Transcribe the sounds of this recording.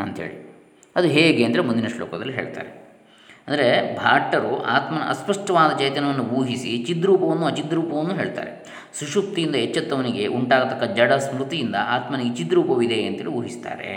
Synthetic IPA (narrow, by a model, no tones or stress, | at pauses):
ɐ̰nt̪ɐɦḛːɭi | ɐd̪uɦeːɡeɐnd̪ɐɾemund̪inɐʂlo̰ːkɐd̪ɐlːiɦe̞̰ːɭt̪a̰ːɾe | ɐnd̪ɐɾe̞bʱaːʈːɐɾṵʔa̰ːt̪mɐnɐ̰ɐ̰spɐʂʈɐʋaːd̪ɐt͡ʃɐjt̪ɐnɐʋɐnːubuːɦisit͡ʃid̪ɾuːpɐʋɐnːuɐt͡ʃid̪ɾuːpɐʋɐnːuːɦe̞ːɭt̪a̰ːɾe̞̰ | suʂup̚t̪ijind̪ɐɛt͡ʃːɐt̪ːɐʋɐniɡe̞ʔuɳʈaːɡɐt̪ɐkːɐd͡ʒɐɽɐsmɾut̪ijind̪ɐʔaːt̪mɐniɡet͡ʃid̪ɾuːpɐʋid̪e̞ɐnt̪ɦeːɭiʋuːɦist̪a̰ːɾe̞̰